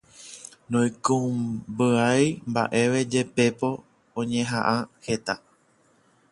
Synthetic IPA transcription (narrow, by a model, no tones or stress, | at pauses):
nõjkũbɨajmba̰ʔe̞ʋe̞d͡ʒe̞pe̞po̞ | õɲẽɦãʔãhe̞t̪a